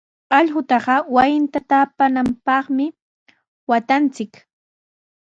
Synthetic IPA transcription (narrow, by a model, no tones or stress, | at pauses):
aʎɢʊt̪ɑɢɑwajɪnt̪at̪apanampɑχmɪ | wat̪ant͡sɪk